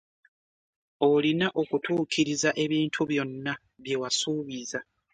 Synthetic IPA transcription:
o̞linaʔo̞kutuːkiɾizaʔe̞βiːntʰuβjo̞nːa | βje̞wasuːβiza

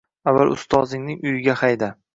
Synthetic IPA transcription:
avːalʊ̰st̪ʰɒzɪŋnɪŋʊjɪɡʲahajd̪a

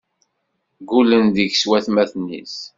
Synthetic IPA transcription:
ɡulənðəʝswæθmæθnḭs

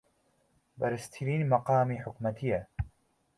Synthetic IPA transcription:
bɐɾɨst̪ʰiɾiːnmɐqɑːmiːħʊkmɐt̪ʰijɐ

